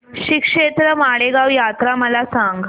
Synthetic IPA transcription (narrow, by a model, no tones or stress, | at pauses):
ɕikʂet̪ɾəmaɽeɡaʋjat̪ɾaməlasaŋɡ